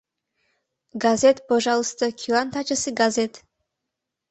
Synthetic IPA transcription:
ɡazʲet̪poʒɑlˠəst̪əkʲʰilˠant̪at͡ʃəsɨɡazʲet̪

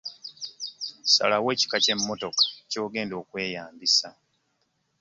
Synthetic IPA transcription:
sa̰lawe̞ːci̥kace̞mːo̞to̞kḁco̞ːɡe̞ːndo̞ːkwe̞ːjaːmbisa

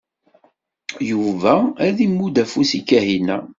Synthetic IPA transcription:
juvææðimːud̪æfusikːæhinæ

